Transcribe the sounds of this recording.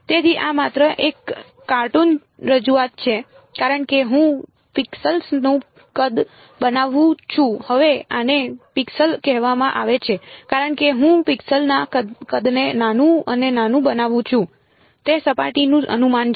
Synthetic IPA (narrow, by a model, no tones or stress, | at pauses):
t̪et̪iʔamat̪ɾəʔekː | aɾʈun | ɾəd͡ʒuat̪̚t͡ʃʰe | kaɾəɳkeɦũ | pɪksəlsnũ | kəd̪ | bənaʋũt͡ʃʰũhəʋeanepɪksəlkɛɦʋamãʔaʋet͡ʃʰekaɾəɳkeɦũpɪksəlnaəkəd̪nenanũənenanũbənaʋũt͡ʃʰũ | t̪esəpaʈinũʔə̰numan